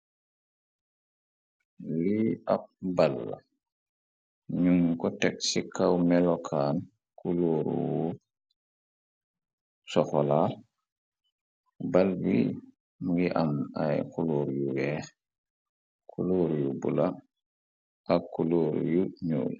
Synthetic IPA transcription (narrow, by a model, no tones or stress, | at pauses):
liap̚balːa̰ | ɲuŋkɔtɛksikːawmɛlɔkʰaːn | kuloːɾṵwu | sɔxɔlaː | balbḭ | mɡiʔamajkuluːɾjuwɛːx | kʰuloːɾjubṵla | ʔakːuloːɾ̰juɲṵːl